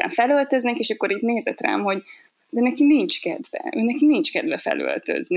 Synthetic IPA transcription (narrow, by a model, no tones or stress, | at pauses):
a̰ːɱfɛlølt̪ø̞znɛkeːʃɒkːoɾiːt̪neːzɛt̪ra̰ːmho̞ɟ | d̪ɛnɛkinint͡ʃkɛd̪vɛ̰øːnɛkinint͡ʃkɛd̪vɛfɛ̰lø̰lt̪ø̰zni